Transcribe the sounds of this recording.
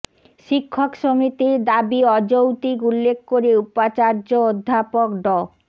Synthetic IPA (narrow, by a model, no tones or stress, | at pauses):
ʃikʰːokʃomit̪iɾd̪abiɔd͡ʑowt̪ikulːekʰkoɾeupat͡ɕaɾd͡ʑood̪ʱːapokɖɔ